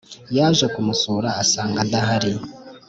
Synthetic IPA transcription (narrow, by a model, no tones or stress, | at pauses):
jaːʒokumusuːɾaːsaːŋɡadaɦaɾi